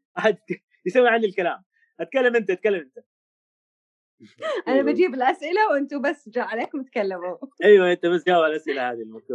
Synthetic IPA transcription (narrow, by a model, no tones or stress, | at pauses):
ʔaħad̪k | jɪsawːiʕand̪ilkalaːm | ʔat̪̚kalːamʔɪnt̪æʔat̪̚kalːamʔɪnt̪æ̥ | ʔænæbæd͡ʒiːbɪlʔæsʔɪlæwʔɪnt̪ubæsːd͡ʒaʕaleːkmɪt̪kalːɪmoʔajwæʔent̪æbɪt̪d͡ʒawalʔasʔɪlahaːd̪ilmak̪u